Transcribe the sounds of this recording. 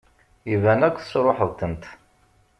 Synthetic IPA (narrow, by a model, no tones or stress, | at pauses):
ivænækʷːθsɾˤoħəðˤt̪ənt̪